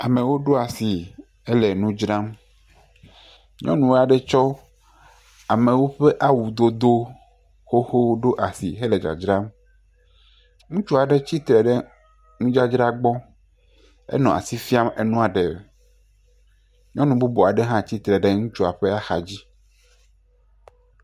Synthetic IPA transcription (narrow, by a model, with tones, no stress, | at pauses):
a˨mẽ˨wo˦ɖo˦a˨si˨ | e˦le˨nũ˦d͡ʒɾã˦m | ɲɔ̰̃˦nũ˨wo˦a˨ɖe˦t͡ʃɔ˦ | a˨mẽ˨wo˦ɸe˦ʔa˦wu˨d̪o˦d̪o˦ | xo˦xo˦ɖo˦ʔa˨sḭ˨ɦe˦le˨d͡ʒa̰˨d͡ʒɾa˦m | ŋũ˦t͡ʃu˦a˨ɖe˦t͡ɕi˦t̪ɾɛ˨ɖe˦ | ŋũ˦d͡ʒa˦d͡ʒɾa˦ɡ͡bɔ˦ | ḛ˦nɔ̃˨a̰˨si˦fi˦a˦mḛ˨nũ˦a˨ɖe˨ | ɲɔ̃˦nũ˨bu˦bo˨a˨ɖe˦ɦã˦t͡ɕi˦t̪ɾɛ˨ɖe˦ŋũ˦t͡ʃu˦a˨ɸe˦a˦xa̰˨d͡ʑi˦